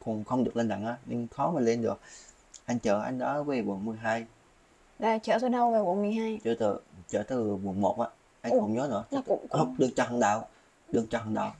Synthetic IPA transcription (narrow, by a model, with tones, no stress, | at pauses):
kʊ˧˩ŋ͡mxə˧wŋ͡mɗɨ˨˩ək̚le˧nɗa̰˧˨ŋʔaː˨˦ɲɨ˧ŋxɔ˨˦maː˨˩le˧nɗɨ˨˩ək̚ | ʔa˧jŋ̟t͡ɕəː˧˩ʔa˧jŋ̟ɗɔ˨˦ve˨˦ɓu˨˩ənmɨ˨˩əjɦaː˧j | zaː˨˧˩t͡ɕəː˧˩t̪ːnə˧wveː˨˩vu˧˩nmɨ˨˩əjɦaː˧jt͡ɕəː˧˩t̪ɨ̰˨˩t͡ɕəː˧˩t̪ɨ˧˨˩ɓu˨˩ənmo˨˩t̚ʔaː˧˨ | ʔa˧jə˧wŋ͡mɲɔː˨˦nɨ̰˧˩ə˧ʊ̰˧˥ŋ͡mɗɨ˨˩ək̚t͡ɕɔ˧˩ɦə˧˩ŋɗa̰ː˧˨w | ɗɨ˨˩ək̚t͡ɕɔ˧ɦə˨˧˩nɗa̰ː˧˨w